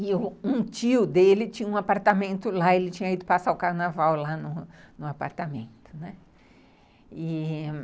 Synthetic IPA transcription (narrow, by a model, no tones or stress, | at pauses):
ɪʊũt͡ʃiʊd̪elɪt͡ʃĩɲɐũapaɾt̪amẽnt̪ʊlaelɪt͡ʃĩɲɐid̪ʊpasaʊkaɾnavawlanʊnʊapa̰ɾt̪amẽnt̪ʊ̥nɛ | ɪ